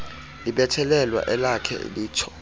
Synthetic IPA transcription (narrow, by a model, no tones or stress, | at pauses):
liɓɛtʰɛlɛlwa̰ʔɛlakʰɛ̰liːtʰɔ̥